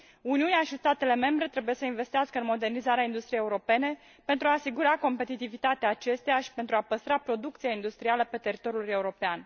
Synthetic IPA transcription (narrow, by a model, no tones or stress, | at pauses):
uniuneaʃist̪at̪e̞le̞me̞mbɾe̞t̪ɾebuje̞səinve̞st̪iaskəɨnmo̞d̪e̞rnizaɾeaind̪ust̪ɾijejeuɾo̞pe̞ne̞ | pe̞nt̪ɾuaːsiɡuɾako̞mpe̞t̪it̪ivit̪at̪eaːt͡ʃe̞st̪ejaʃi̥pent̪ɾuapəst̪ɾapɾo̞d̪uk̚t̪sijaind̪ust̪ɾialəpe̞t̪e̞ɾit̪o̞ɾijule̞uɾo̞pean